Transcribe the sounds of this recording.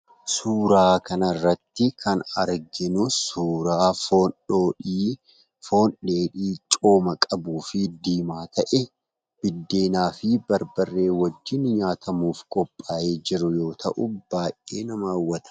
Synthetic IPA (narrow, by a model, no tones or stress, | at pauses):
suːɾaːkɐnɐrːɐt̪ːɪkʰɐnɐɾɡɪnʊsuːɾaːfoːnᶑoːᶑiː | fo̞ːnᶑe̞ːᶑiːt͡ʃʼo̞ːmɐkʼɐbuːfɪd̪iːmaːt̪ɐʔɛ | b̥ɪd̪ːe̞ːnaːfɪbɐɾbɐrːe̞ːwɐd͡ʒːɪnɲaːt̪ʰɐmuːfkʼɔpʼːaːje̞ːd͡ʒɪɾʊjo̞ːt̪ʰɐʔʊb̥aːjʔʔeːnɐmaːwːɐt̪ɐ̥